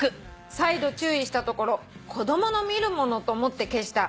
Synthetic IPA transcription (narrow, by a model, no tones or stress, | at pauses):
kɯ̟ | said̪o̞t͡ɕɨːiɕi̥t̪at̪o̞ko̞ɾo̞kʰo̞d̪o̞mo̞no̞mʲiɾɯ̟mo̞no̞t̪oːmo̞t̪ːe̞ke̞ɕi̥t̪a